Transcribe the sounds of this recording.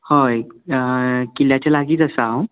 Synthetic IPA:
hoj | kiljat͡ɕalaɡiːt̪əsə̃w

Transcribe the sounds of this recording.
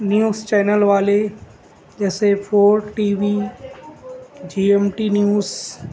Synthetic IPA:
njuːzt͡ʃɛːnəlʋaːle | d͡ʒɛːsepʰoːɾʈiːʋi | d͡ʒiːemʈiːnjuːz

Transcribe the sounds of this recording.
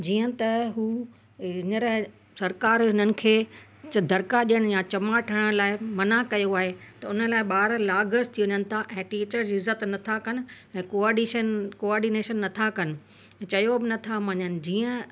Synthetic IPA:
d͡ʑiːə̃t̪ɐɦuː | ɲəɾə | sɐɾkaːɾɪnənɪ̆kʰeː | d̪ʱɐɾkaɗijəɽ̃jãt͡ɕɐmaːʈʰəɽ̃laːɪmɐnakɐjoaːɦet̪ɐʊnəlaːɪɓaːɾlaːɡəɾst̪ʰiʋəɲənɪ̆t̪ʰaʔɛ̃ːʈiːt͡ɕəɾd͡ʑiːɪzːət̪nɐt̪ʰakɐnɪ̆ | ɛ̃ːkoaːɾɖiʃənkoaːɾɖineːʃənːɐt̪ʰakɐnɪ̆ | t͡ɕɐjobɪnɐt̪ʰamɐɲənɪ̆d͡ʑiːə̃

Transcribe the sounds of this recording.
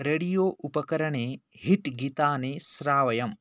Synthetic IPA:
ɾɐɽijoːʔupɐkɐɾɐɳeːɦiʈɡit̪aːneːsɾaːʋɐjɐm

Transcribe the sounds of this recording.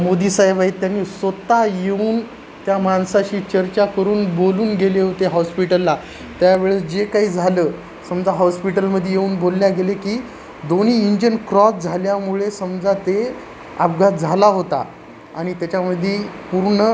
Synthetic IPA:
mod̪iːsaɦebait̪ːjanːisʋət̪ajeuːn | t̪jamansaɕiːt͡ɕəɾt͡ɕakəɾuːnboluːnɡeleɦot̪eɦɔspiʈəlːa | t̪jaʋeɭed͡ʑekaɦiːd͡zʱaləː | səmd͡zaɦɔspiʈəlməd̪ʱːjejeuːnbolːjaɡelekiː | d̪oniːɲd͡ʑənkɾɔsd͡zʱaljamuɭesəmd͡zat̪e | a̰pɡʱat̪d͡zʱalaɦot̪a̰ | aɽ̃it̪jat͡ɕaməd̪ʱːjepuɾɳə

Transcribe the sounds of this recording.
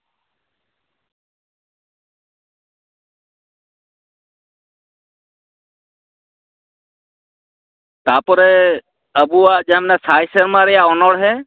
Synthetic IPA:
t̪apɔɾɛ | əbuwaʔd͡ʒamɛnasajsəɾmaɾɛjaʔɔnɔɽɦɛ

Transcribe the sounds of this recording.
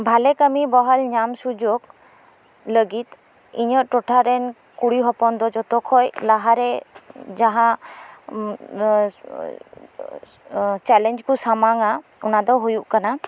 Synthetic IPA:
bʱalɛkəmibɔɦɔlɲamsud͡ʒoɡ | ləɡit̪ | iɲɔʔʈɔʈʰaɾɛn | kuɽiɦɔpɔnd̪ɔd͡ʒɔt̪ɔkʰɔjlaɦaɾɛd͡ʒaɦã | t͡ʃɛlɛɲd͡ʒkusamaŋaɔnad̪ɔɦujuʔkana

